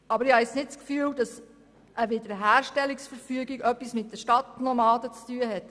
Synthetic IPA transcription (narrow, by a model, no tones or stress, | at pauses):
ʔɑbəɾɪhɑɛsnɪtt͡skfyːldɑs | ʔəʋɪdəɦæːɾʃtɛliksfəɾfyəɡiɡœpːismɪt̚d̥əʃtɑtnɔmɑːdət͡styːəɦɛt